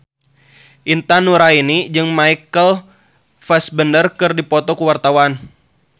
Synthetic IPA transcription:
ʔint̪anuɾainid͡ʒɨŋmaikəl | fɛsbəndərkɨrdipɔt̪ɔkuwart̪awan

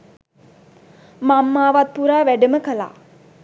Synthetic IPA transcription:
mamːaːʋat̪̚puɾaːʋæɖəməkəla̰ː

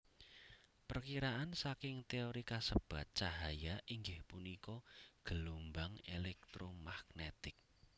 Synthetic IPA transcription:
pərkiɾaʔansakɪŋt̪eoɾikasəb̥ä̤t̪̚t͡ʃaɦajaʔiŋɡɪhpunikɔɡ̥əlombaŋelɛk̚t̪ɾomaɡ̚net̪ɪk̚

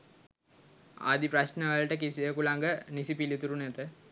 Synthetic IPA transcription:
a̰d̪ipɾɐsnəʋəɭʈəkisiekulaŋɡənisipilit̪uɾunæt̪ə

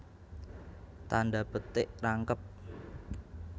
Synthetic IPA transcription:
t̪andapət̪ɪʔraŋkəp̚

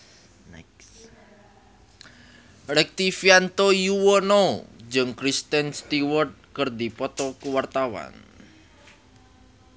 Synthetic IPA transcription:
nks | rɛk̚t̪ifiant̪ojuwɔnod͡ʒəŋkɾist̪ɛnst̪iwɔrt̪̚kərd̪ipɔt̪ɔkuwart̪awa̰n

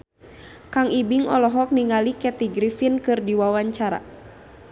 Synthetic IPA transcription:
kaŋibiŋɔ̰lɔɦɔk̚niŋalikɛt̪iɡɾifinkɨrdiwawaɲt͡ʃaɾa̰

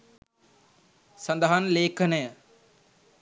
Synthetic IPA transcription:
sɐnd̪əɦanleːkənəjə

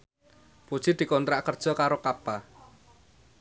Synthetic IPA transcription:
pud̥ʒ̥i̤d̪̥i̤kɔnt̪ɾaʔkərd̥ʒ̥ɔ̤kaɾokapa

